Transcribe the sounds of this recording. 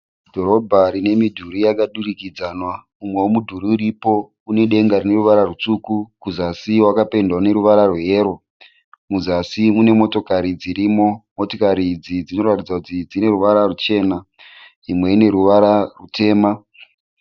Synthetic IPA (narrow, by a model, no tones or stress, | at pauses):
dʱo̞ɾo̞bʱaɾine̞midʱuɾijakaɗurikid͡zanwamumwewomudʱuɾiːɾipo̞ | une̞ɗe̞ŋɡaɾine̞ɾuʋaɾarut͡ʂukukuzasiwakape̞ndwane̞ɾuʋaɾarweːɾo̞ | muzasimune̞mo̞to̞kaɾid͡ziɾiːmo̞mo̞to̞kaɾid͡zid͡zino̞ratid͡zakutid͡zine̞ɾuʋaɾarut͡ʃe̞ːna | imwe̞ine̞ɾuʋaɾarute̞ːma